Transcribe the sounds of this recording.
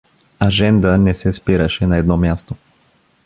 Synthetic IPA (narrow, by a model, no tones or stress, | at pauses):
aʒɛnd̪ənɛsɛspiɾəʃɛnɐɛd̪nɔmʲjast̪o